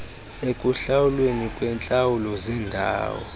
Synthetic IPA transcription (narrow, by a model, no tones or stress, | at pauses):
ekʼuɬawulwenikʼwɛnt͡ɬʼawulɔzɛndʱa̰ːwɔ̰